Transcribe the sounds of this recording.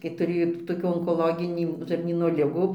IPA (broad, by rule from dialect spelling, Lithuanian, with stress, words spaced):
kɐɪ tʊˈrʲeːjoː toːˈkʲuː oːŋkoːlˠoːˈɡʲɪnʲiː ʒɐrʲˈnʲiːnoː ˈlʲɪɡuː